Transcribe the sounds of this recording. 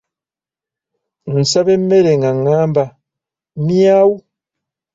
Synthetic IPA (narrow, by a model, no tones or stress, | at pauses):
n̩saβemːeɾeŋɡaŋːaːmba | miawu